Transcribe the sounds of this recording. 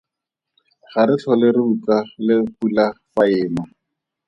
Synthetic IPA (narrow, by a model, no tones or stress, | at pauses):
χaɾɪt͡ɬʰɔlɪrɪut͡salɪpulafaɪːma